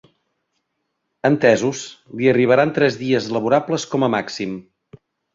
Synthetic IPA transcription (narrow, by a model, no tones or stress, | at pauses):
ənt̪ɛzusliəriβ̞əɾant̪ɾɛzðiəzləβuɾapləskɔməmaksim